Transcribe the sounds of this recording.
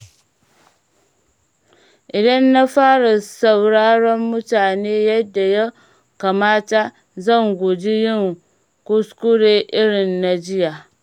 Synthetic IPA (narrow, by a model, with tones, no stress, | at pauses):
i˨da˦nː˦a˦faː˦ɾɨ˨sa˨wɾa˦ɾa˦mːʊ˦ta˨ne˦jɛ˦da˨jɛ˦ | ka˨maː˦t͡ʃa˦ | za˦ŋɡʊ˨d͡ʒi˦ji˦ŋ˨ | ku˦sku˦ɾe˦ʔɪ˦ɾɪ˨nː˨a˨d͡ʒi˦ja˨